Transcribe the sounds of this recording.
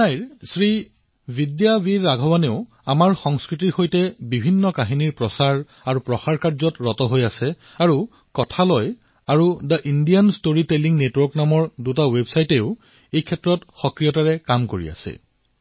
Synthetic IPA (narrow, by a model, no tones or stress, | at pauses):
najɹsɹi | bidjabiɹːaɡʱɔwaneʊ | amaɹxɔŋskɹitiɹxojtɛbibʱinːɔkaɦiniɹpɹɔsaɹ | aɹupɹɔxaɹkaɹzɔtɹɔtɔɦojasɛ | aɹu | kɔtʰalɔj | aɹudaʔindijanstoɹiteliŋnetwɔɹknamɔɹdutawebsajteʊ | ejkʰɛtːɹɔtxɔkɹijɔtaɹɛkamkoɹḭa̰sɛ̰